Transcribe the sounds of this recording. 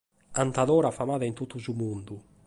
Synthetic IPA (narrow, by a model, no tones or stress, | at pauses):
ant̪aðɔːɾafamaːðaint̪ut̪ːuzumund̪u